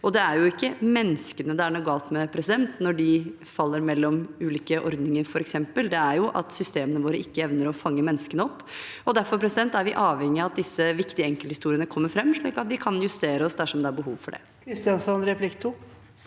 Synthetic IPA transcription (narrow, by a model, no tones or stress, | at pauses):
ɔd̪ɛæɾjʊɪkːəmɛnːskənəd̪ɛæɳɔɡɑːlˠt̪mɛpʰɾɛsɪd̪ɛnt̪nɔɖɪ | fɑlːəɾmɛlːɔmʉːliːkəʔɔɾd̪nɪŋəɾfɔɾɛksɛmpəld̪ɛæɾjʊʔɑ̰t̪sʏst̪eːmənəʋoːɾəʔɪkːəɛʋnəɾɔfɑŋːəmɛnːəskənəɔpː | ɔd̪æɾfɔɾpʰɾɛsɪd̪ɛnt̪æɾʋɪʔɑːʋhɛŋːɪɑɑt̪̚d̪ɪsːəʋɪkt̪ɪɛŋkəlhɪst̪uːɾɪənəkʰɔmːəɾfɾɛmːʂɭiːkɑt̪ʋɪkʰɑnjʉst̪eːɾəɔsd̪æʂɔmd̪ɛæɾbəɦuːʋfɔɖɛ̰ | kʰɾɪst̪ɪɑnsɔnɾɛpʰlɪkt̪ʰu